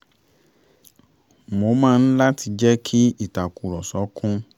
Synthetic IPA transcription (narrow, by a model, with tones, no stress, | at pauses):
mo˧˦mãː˦˧n̩˦la˦tʰi˧d͡ʒɛ˦kʰi˦i˦˨ta˨ku˨ɾɔ˨sɔ˨˦kʰũ˦